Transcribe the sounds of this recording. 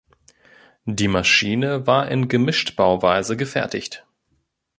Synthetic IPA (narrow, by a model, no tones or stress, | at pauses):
d̥iːmaʃiːnəvaːɐʔɪ̰nɡəmɪʃtb̥aʊvaɪzəɡəfɛɐtɪçt